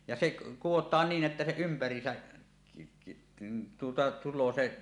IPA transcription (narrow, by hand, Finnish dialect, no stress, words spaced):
jɑ seʔ kuwotˑɑːn niːn ʔetːæ se ympærˑiːsæ tuotɑ tulˑoː se